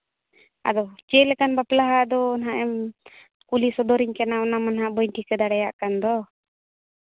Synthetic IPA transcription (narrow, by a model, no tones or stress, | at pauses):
a̰d̪ɔt͡ʃɛlɛkanbaplaɦad̪ɔːnɦaʔɛm | kulisɔd̪ɔɾiɲkɛnaɔnamanɦaʔbɔjɲʈikɛd̪aɽɛjaʔkand̪ɔ